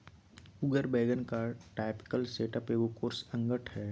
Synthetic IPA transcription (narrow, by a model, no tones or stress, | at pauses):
ʊɡəɾbɛːɡənkaʈaːpɪ̥kəlseːʈəpeʋokoːɾsɐ̃ŋɡəʈhɛː